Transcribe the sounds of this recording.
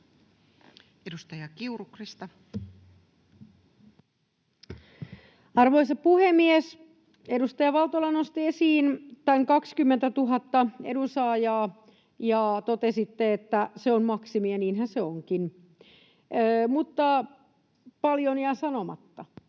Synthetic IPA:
edust̪ɑjɑkiurukrist̪ɑ | ɑrʋoisɑpuhemːies | edust̪ɑjɑʋɑlt̪olɑnost̪iesiːnt̪æŋkɑkskymːent̪æt̪uɦɑt̪ːɑḛdusɑːjɑː | jɑːt̪ot̪esit̪ːeet̪ːæseonmɑksimiɑniːnhænseoŋkin | mut̪ːɑ | pɑljonjɑsɑnomɑ̰t̪ːɑ

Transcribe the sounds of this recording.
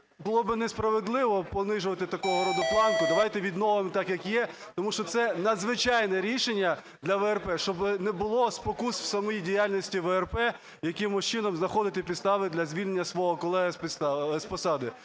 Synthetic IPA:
bʊlˠɔbɪnɛspɾɐʋed̪lˠɪʋɔpɔnɪʒʊʋɐt̪ɪt̪ɐkɔɦɔɾɔd̪ɔplˠɑnkʊd̪ɐʋɑjt̪ɛʋʲid̪nɔʋɪmt̪ɑkjɐkjɛt̪ɔmuʃt͡ʃɔt̪sɛnɐd̪zʋɪt͡ʃɑjnɛɾʲiʃenʲːɐ | d̪lʲɐʋɛɛrpɛʃt͡ʃɔbɪnɛbʊlˠɔspɔkusw̥sɐmɔjidʲijalʲnʲisʲtʲiʋɛɛrpɛ | jɐkɪmʊʃt͡ʃɪnɔmznɐxɔd̪ɪt̪ɪpʲid̪st̪ɑʋɪd̪lʲɐzʲʋʲilʲnenʲːɐsʋɔɦɔkɔlˠɛɦɐspɪst̪spɔsɑd̪ɪ

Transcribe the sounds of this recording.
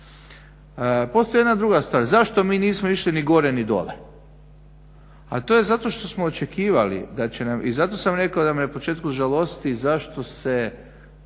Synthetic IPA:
po̞st̪oenad̪ɾuɡast̪ʋaːɾzaʃt̪o̞miːniːsmoiʃliniɡo̞ɾenid̪o̞̰lḛ | at̪oːje̞zat̪o̞ʃt̪o̞smoːt͡ʃekiːʋalḭd̪at͡ɕenamizat̪o̞samɾe̞kaod̪aminapot͡ʃe̞ːt̪̚kuʒalˠo̞st̪izaʃt̪o̞se

